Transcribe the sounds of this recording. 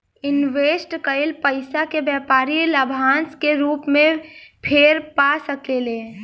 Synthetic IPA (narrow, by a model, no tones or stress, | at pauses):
ɪnʋeːsʈkəɪlpəɪsakebjɛːpaːɾiləbʱaːnskeɾuːpmẽpʰeɾpasəkele